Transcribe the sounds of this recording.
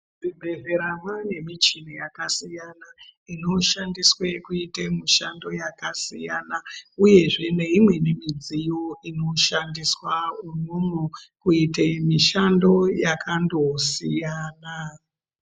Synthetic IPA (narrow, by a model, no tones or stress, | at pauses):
d͡zibʱe̞ze̞ɾamwane̞mit͡ʃinejakasijanaino̞ʃandiswekuitemiʃando̞jakasijanauje̞ʐe̞ne̞imwe̞ne̞mid͡zijoʔino̞ʃandiswaunomukuitemiʃando̞jakʰando̞sijana